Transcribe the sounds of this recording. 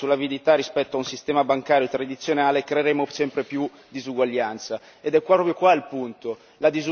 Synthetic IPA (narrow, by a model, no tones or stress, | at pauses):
sulavid̪it̪arːispɛt̪ːoaunsist̪ɛːmabaŋkaːɾjot̪ɾad̪it̪sːjonaːlekɾeeɾemosɛmpɾepju | d̪izuɡwaʎːant̪sa | ed̪ɛkːwapɾɔpɾjokwailpunt̪o | lad̪izu